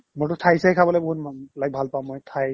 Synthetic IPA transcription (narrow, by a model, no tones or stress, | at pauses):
motʊtʰajsɛkʰabɔlɔjboɦut̚mlak̚bʱalpaʊ̃mojtʰaj